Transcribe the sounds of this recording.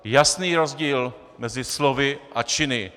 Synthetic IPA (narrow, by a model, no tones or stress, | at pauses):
jasniːɾozɟiːl | mɛzɪslovɪʔat͡ʃɪnɪ